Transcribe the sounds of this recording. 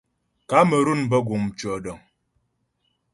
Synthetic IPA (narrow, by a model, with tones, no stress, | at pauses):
ka˨˦mə˨ɾu˦˨n˨bɔ˦ɡu˨m˨t͡ʃwɔ˨dɔ˨ŋ